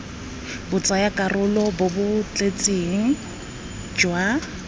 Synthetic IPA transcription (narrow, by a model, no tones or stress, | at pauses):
bʊt͡sʼajakʼarʊlɔbʊbʊt͡ɬʼet͡sʼeŋ̩ | d͡ʒwa